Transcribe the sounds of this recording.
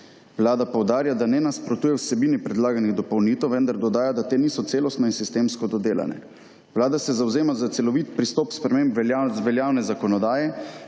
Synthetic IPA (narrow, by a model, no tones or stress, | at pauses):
wlaːd̪apɔwd̪aːɾjad̪anɛnaspɾɔt̪uːjɛwsɛbiːnipɾɛd̪laːɡaniɣd̪ɔpowniːt̪ɛwʋənd̪aɾd̪ɔd̪aːjad̪at̪eːniːsɔt̪seːlɔst̪nɔinsist̪eːmskɔd̪ɔd̪eːla̰nɛ̰ | ʋlaːd̪asɛzawzeːmazat̪sɛlɔʋit̪pɾist̪ɔpspɾɛmeːmbɛzʋɛljaːwnɛzakɔnɔd̪aːjɛ